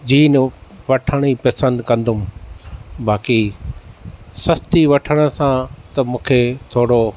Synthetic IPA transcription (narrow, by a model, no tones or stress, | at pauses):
d͡ʑiːnʋɐʈʰəɽ̃ipɐsə̃nd̪kɐ̃nd̪ʱʊm | baːki | sɐst̪iʋɐʈʰəɽ̃ə̆sãt̪ɐmũːkʰet̪ʰoːɽo